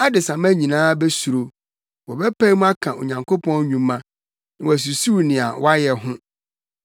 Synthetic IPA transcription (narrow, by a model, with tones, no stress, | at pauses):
a˦dɪ˨sã˨m˦æ˦ɲĩ˨nãː˦be˦su˨ɾo˨ | wɔ˨bɛ˦pʰa˦i˦mũ˦a˦kʰã˨o̰˨ɲã˨ŋkʰo˦pʰɔ̃˦n˦ɲũ˨mːã˦ | nɪ̃˨wæ˨s̬u˨su˦wnɪ̃˨a˨wa˦jɛ˨ɦʊ̃˦